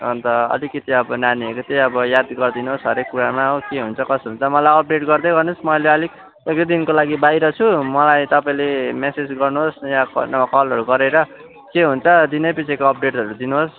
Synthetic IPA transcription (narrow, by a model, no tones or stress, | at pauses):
ʌnt̪ʌʌ̰likʌt̪iʌbʌnaniekot̪eʌbʌjad̪ɡʌrd̪inuɦosɦʌɾekːuɾamaʌʌkeɦunt͡sʰʌkʌsɦunt͡sʰʌmʌlajʌp̚ɖeʈɡʌrd̪ʌjɡʌrnusmʌjleʌliɡ | ek̚d̪ʌd̪inkolaɡibajɾʌt͡sʰumʌlajt̪ʌpaĩlemesed͡zɡʌrnuɦosjaknʌakʌlɦʌɾuɡʌɾeɾʌ | keɦunt͡sʰʌd̪inʌpit͡sʰekoʌp̚ʰɖeʈɦʌɾud̪inuɦos